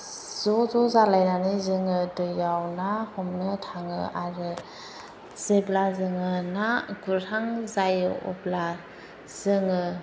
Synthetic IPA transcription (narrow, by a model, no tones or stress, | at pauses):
z̥ɔzɔzalajnanizɯŋɯtɯjawnahɔmnɯtʰaŋɯ̰aɾɯ | z̥eblazɯŋɯnaɡutʰaŋzajɯɔ̰pla | z̥ɯŋɯ